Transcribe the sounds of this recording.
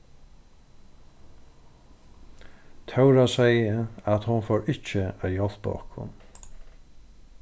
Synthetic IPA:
t̪ʰœwɾasɛjəat̪hʊnfoːɹɪht͡ʃəajɔl̥pɔ̰hkʰʊ̰n

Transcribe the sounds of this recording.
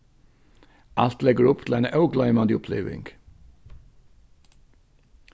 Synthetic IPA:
ʔɑlt̪lɛɡəɹʊpt̪ʰl̩æɪnʔɑʉɡlɑɪmɑːd̪ɪʊpʰlḛːʋɪ̰ŋɡ̥

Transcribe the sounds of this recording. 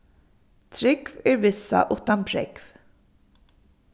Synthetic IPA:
t̪ʰɾɪkvɛɹvɪsːa̰ʔʊt̪anpʰɾɪ̰kv̥

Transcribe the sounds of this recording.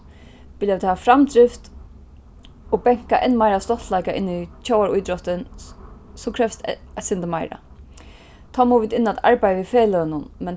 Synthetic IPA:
pɪljaʋɪt̪haafɾamd̪ɾɪft̪ | ʊpɛŋ̥kaʔɛnmajɾast̪ɔht̪laɪkaʔɪ̰nːɪt͡ʃʰowaɹʊjd̪ɾɔht̪ɪn | sukʰɾɛfst̪sɪnt̪əmaɪjɾa̰ | t̪ʰɔmʊʋɪt̪ɪnːat̪a̰ɹpajəʋifɛːløːnʊnmɛn

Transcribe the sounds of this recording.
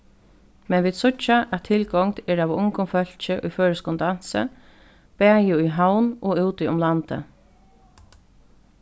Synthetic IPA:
mɛnʋiːd̪sʊt͡ʃːaʔæt̪ʰːɪlkɔŋt̪ɛːɾavʊŋkʊmfœl̥t͡ʃəʔʊjføːɹəskʊnd̪an̥sə̰ | pæːjɪʊjɦawnɔʉwt̪ɪʊmlant̪ə̰

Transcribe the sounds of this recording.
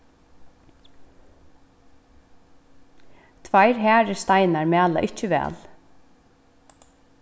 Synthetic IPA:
t̪ʰvajɾɦæːɾɪst̪ajnaɹmæːla̰ʔɪt͡ʃɪʋɛ̰ːl

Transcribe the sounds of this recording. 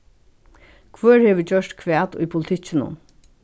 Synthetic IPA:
kʰvøːɹheːʋɪd͡ʑœʂt̪kʰʋɛːt̪ʊ̰jpʰʊlɪt̪ʰɪt͡ɕːɪnʊ̰n

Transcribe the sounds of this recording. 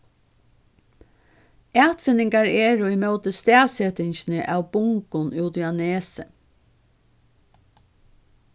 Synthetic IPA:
æːt̪fɪnɪŋkɑɹeːɹoːɪmœʊt̪əst̪æːsɛt̪ɪɲçnəʔɑːʋbʊŋkʊnʉːt̪ʏɑneːsə

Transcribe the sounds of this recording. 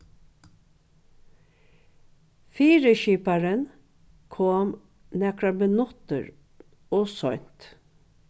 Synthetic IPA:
fiːɾəʃiːpaɹən | kʰoːm | nɛkɹabənʊt̪ə̰ɹ | oːsɔʏn̥t̪

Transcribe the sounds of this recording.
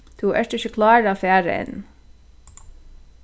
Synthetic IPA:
t̪ʰuʔɛ̰ʂt̪ɪçəkʰlɑːɹafæːɾ̰ɛ̰n

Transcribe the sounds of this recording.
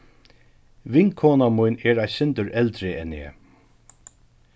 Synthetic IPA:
ʋɪŋkʰoːnamujnɛɹajsɪnt̪əɹʔɛlt̪ɾɪʔɛnɛ̰ː

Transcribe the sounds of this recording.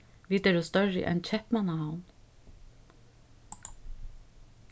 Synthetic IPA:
ʋiːt̪ɛɾuːst̪œɹə̰ʔɛ̰nc͡çʰɛpmɑnahaʊn

